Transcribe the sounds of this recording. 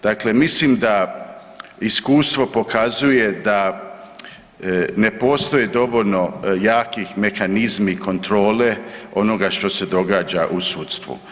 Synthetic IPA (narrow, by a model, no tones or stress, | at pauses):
d̪̥akle̞mislimd̪a | iskuːst̪ʋo̞po̞kʰazuje̞d̪a | ne̞po̞ːst̪o̞jed̪o̞ʋolno̞jaːkixme̞xanizmikʰo̞nt̪ɾo̞ːleo̞no̞ɡaʃt̪o̞se̞d̪o̞ɡaːd͡ʒaʔusuːt̪st̪ʋṵ